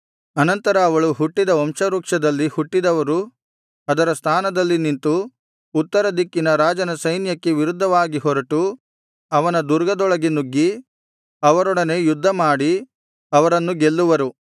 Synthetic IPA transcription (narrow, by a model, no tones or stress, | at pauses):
ɐnɐnt̪ɐɾɐːʋɐɭuɦuʈːid̪ɐɔmʂɐɾuːkʂɐd̪ɐlːihuʈːid̪ɐʋɐɾu | ɐd̪ɐɾɐst̪ʰaːnɐd̪ɐlːinint̪uː | t̪ːɐɾɐd̪ikːinɐɾaːd͡ʒɐnɐsɐjnjɐkːeʋiɾud̪ʱːɐʋaːɡiɦɔɾɐʈu | ɐʋɐnɐd̪uɾɡɐd̪ɔɭɐɡenuɡːi | ɐʋɐɾɔɽɐne̞jud̪ʱːɐmaːɽi | ɐʋɐɾɐnːuɡelːuʋɐɾu